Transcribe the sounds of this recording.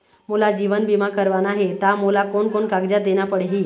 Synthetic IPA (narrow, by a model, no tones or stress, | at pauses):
mulad͡ʑiʋənbimakəɾʋanaɦet̪amolakoɳkoɳkaɡd͡ʑad̪enjapəɽeɦiː